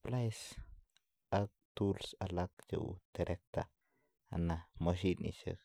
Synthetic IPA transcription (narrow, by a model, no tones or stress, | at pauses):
plaes | ak̚t̪ulsalakt͡ʃḛwt̪eɾʔek̚t̪a̰ | a̰namoʃ̬inḭʃḛk